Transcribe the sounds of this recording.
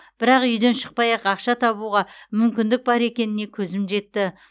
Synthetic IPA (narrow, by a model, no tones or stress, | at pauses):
b̥ɪɾɑqʏjd̪e̞nʃə̥q̚pɑjɑqɑqʃɑt̪ʰɑβuʁɑmʏmkʲɪnd̪ɪk̚bɑɾe̞kʲe̞nɪne̞kʲʰɵzɪmʒe̞t̪ːɪ